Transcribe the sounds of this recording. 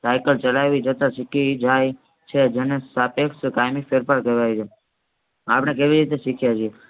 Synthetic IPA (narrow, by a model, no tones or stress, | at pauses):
sajkəlt͡ʃəlaʋid͡ʒət̪aʃikid͡ʒaj | t͡ʃʰed͡ʒenesapekskajmifeɾfaɾkeʋajt͡ʃʰe | apnek̬eʋiɾit̪̬eʃikʰjat͡ʃʰie